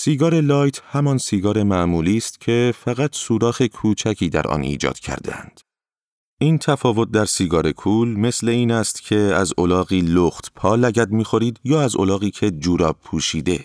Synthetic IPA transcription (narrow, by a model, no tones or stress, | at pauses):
siːɡɒːɾe̞lɒːjt̪ʰhæmɒnsiːɡɒːɾe̞mæʔmuːliːst̪cʰe̞fæɣæt̪ʰsuːɾɒːxe̞kʰuːt͡ʃʰæcʰiːd̪æ̰ɾʔɒ̰nḭːd͡ʒɒ̰ːd̪̥cʰæ̰ɾd̪ḛæ̰nd̪̥ | ʔiːnt̪ʰæfɒːvo̞t̪̚d̪æɾsiːɡɒːɾe̞kʰuːlme̞sle̞iːnæst̪cʰe̞æzolɒːɣiːloxt̪pʰɒːlæɟæd̪miːxo̞ɾiːd̪jɒːæzolɒːɣiːcʰe̞d͡ʒuːɾɒːb̚pʰːuːʃiːd̪e̞